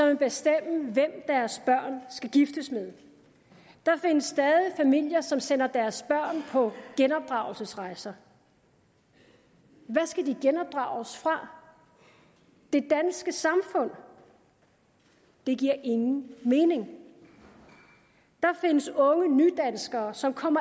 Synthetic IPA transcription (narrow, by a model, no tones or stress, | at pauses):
sɒ̽meb̥esd̥em̰əʋem̰d̥æɐsb̥ɶɐ̰nsɡ̥æɡ̥ifd̥əsmeðˠ | d̥ɑ̈fe̝nəsːd̥ɛːðˠifæmil̰jɐsɒ̽msen̰ɐd̥æɐsb̥ɶɐ̰npʰɒ̽ɡ̥enɒ̽b̥̚d̥ʁɑ̈ʊl̩səsʁɑ̈ɪsɐ | ʋæsɡ̥æd̥iɡ̥enɒ̽b̥̚d̥ʁɑ̈ʊsfʁɑ̈ | d̥e̝d̥ænsɡ̥əsɑ̈mfɔ̽n̰ | d̥e̝ɡ̥iɐ̰ʔe̝ŋn̩me̝ːne̝ŋ | d̥ɑ̈fe̝nəsɔ̽ŋənyd̥ænsɡ̥ɐːsɒ̽mkʰɒ̽m̰ɐ